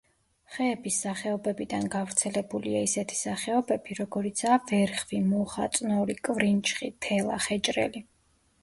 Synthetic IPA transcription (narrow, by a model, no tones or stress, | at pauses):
χɛːbisːaχɛɔbɛbid̪anɡavɾt̪sʰɛlɛbuliaisɛt̪ʰi̥saχɛɔbɛbiɾɔɡɔɾit̪sʰaːvɛɾχvimɔχa̰t̪sʼnɔɾikʼvɾint͡ʃʰʼχit̪ʰɛlˠa̰χɛt͡ʃʼɾɛ̰li